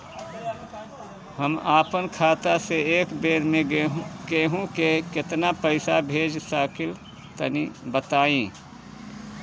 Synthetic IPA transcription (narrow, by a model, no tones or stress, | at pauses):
həmaːpənkʰaːt̪aseeːkbeːɾmẽɡeːɦũkekɪt̪napəɪsabʱeːd͡ʒsaːkɪl | t̪ənibət̪aːĩː